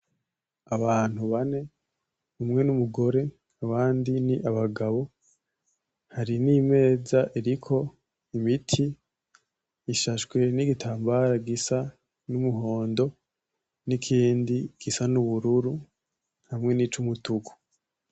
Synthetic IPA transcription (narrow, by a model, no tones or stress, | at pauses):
aβaːn̥huβane̞ | umŋe̞numuɡo̞ɾe̞ | aβaːndiniʔaβaɡaβo̞ | haɾinime̞ːzaʔiɾikʰo̞ | imitʰi | ʃaʃwe̞niɡitʰaːmbaɾaɡisa | numuɦo̞ːndo̞ | nikʰiːndiɡ̥isanuβuɾuɾu | hamŋe̞nit͡ʃumutuku̥